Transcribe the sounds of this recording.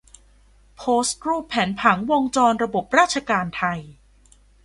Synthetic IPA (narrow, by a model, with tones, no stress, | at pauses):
pʰoː˦˥skɾuː˥˩pʰːɛː˩˦npʰa˩˦ŋwo˧ŋt͡ɕɔː˧nɾa˧bo˨˩p̚ɾaː˥˩t̪̚t͡ɕʰa˧kaː˧nt̪ʰa˧j